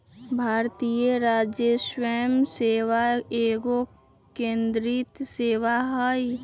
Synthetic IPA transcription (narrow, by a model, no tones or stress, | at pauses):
bʱaːɾt̪ijəɾaːd͡ʒjəsweːmseːwaeːɡo | kẽːnd̪ɾit̪seːwaɦai